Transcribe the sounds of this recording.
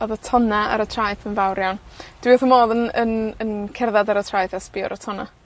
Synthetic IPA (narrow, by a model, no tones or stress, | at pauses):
ɔðətʰɔnaa̰ɾətʰrajθənvawɾjand̥wiɔθəmoːðənənənkʰɛrðadaɾətʰrajθaspɪɔ̰ɾʔɔtʰɔna̰